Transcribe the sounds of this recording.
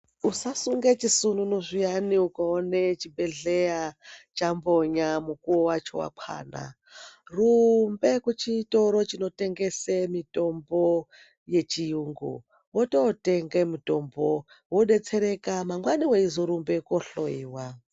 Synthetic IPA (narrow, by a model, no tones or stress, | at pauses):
usasuŋɡet͡ʃisununoʐijaniukaonet͡ʃibeɮejat͡ʃambo̞ɲamukuwowat͡ʃo̞̰wa̰kʰwa̰ːna̰ | rumbe̞kut͡ʃitoɾot͡ʃino̞te̞ŋɡe̞semito̞mbo | je̞t͡ʃijuːŋɡṵ | wototeŋɡemito̞mbo | woɗe̞t͡seɾe̞kamaŋɡwaniweizoɾumbe̞koɬoiːwa